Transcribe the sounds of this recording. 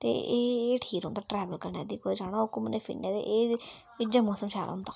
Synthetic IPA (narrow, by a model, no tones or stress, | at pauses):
t̪ḛeːeʈʰiːkõnd̪aːʈɾɛːʋəlkəɾnḛːd̪iːkoːid͡ʒaːɽ̃ãːʊkʊmneːpʰɪ̰nẽːd̪ḛːʔeː | ɪd͡ʒaːmɔːsəmʃa̰ːɾ̰ɦʊnd̪aː